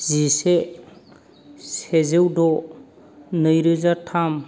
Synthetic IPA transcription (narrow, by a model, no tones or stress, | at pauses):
zise | sezewdɔ | nɯjɾɯzatʰam